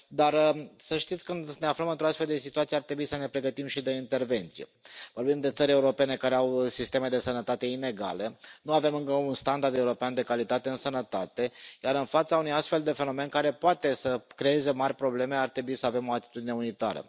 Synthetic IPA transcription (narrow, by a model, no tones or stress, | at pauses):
d̪arsəʃt̪it̪sʲkɨnd̪ne̞afləmɨnt̪ɾoast̪feld̪esit̪uat̪sijeart̪ɾe̞buisəne̞pɾe̞ɡət̪imʃid̪e̞int̪e̞rve̞nt̪sijevo̞rbimd̪e̞t̪səɾʲe̞uɾo̞pe̞ne̞kaɾe̞awsist̪e̞me̞d̪e̞sənət̪at̪e̞ine̞ɡa̰le̞nuave̞mɨŋkəunst̪and̪ard̪e̞uɾo̞peand̪e̞kalit̪at̪e̞ɨnsənət̪at̪e̞jaɾɨnfat̪saunujast̪fe̞ld̪e̞fe̞no̞me̞nkaɾe̞poat̪e̞səkɾe̞e̞zemarʲpɾo̞ble̞me̞art̪ɾe̞buisəavemo̞at̪i̥t̪ud̪ine̞unit̪a̰ɾə̰